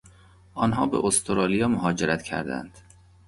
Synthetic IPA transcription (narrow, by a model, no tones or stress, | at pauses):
ʔɒːnɦɒːbḛʔost̪ʰoɾɒːlijɒːmoɦɒːd͡ʒeɾæt̪cʰæ̰ɾd̪æ̰nd̪̥